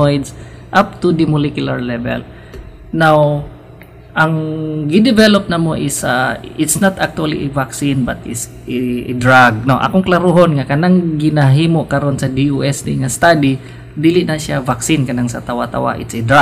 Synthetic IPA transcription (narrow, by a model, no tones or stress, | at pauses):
ojd̪sʔap̚t̪ud̪ɪmʊlɛkjʊlaɹlɛvɛ̰l | naw | ʔɐŋɡɪd̪ɪvɛlop̚nɐmoʔɪsaɪt̪snat̪ak̚t̪ʊalḭʔɛvaksinbat̪ɪts | d̪ɹaɡ̚noʔɐ̰koŋklaɾuɦonŋakɐnaŋɡɪnaɦiːmoʔkɐɾonsɐd̪ioʔɛst̪iŋast̪ad̪i | d̪iːlɪʔnɐsjavaksinkɐnaŋsɐt̪awat̪a̰wa̰ʔɪ̰t̪sed̪ɾa